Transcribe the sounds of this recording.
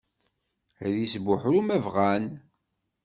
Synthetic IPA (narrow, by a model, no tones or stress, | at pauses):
ðisbʊħɾumævʁæn